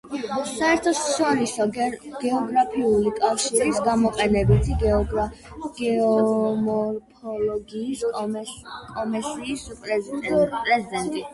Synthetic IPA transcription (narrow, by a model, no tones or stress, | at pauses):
saɛɾt̪ʰɔsʃɔɾisɔɡ̥ɛɔɡɾapʰiulikʼafʃiɾisɡamɔqʼɛnɛbit̪ʰiɡɛɔ | ɡɔmɔɾpʰɔlɔɡiːs | kʼɔmɛsiːspʼɾɛpʼɾɛzid̪ɛnt̪ʼi